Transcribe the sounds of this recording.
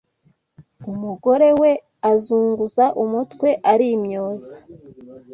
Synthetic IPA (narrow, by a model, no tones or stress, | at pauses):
umuɡo̞ɾe̞we̞ | azuːŋɡuzaʔumutkwe̞ʔaɾimɲoːzḁ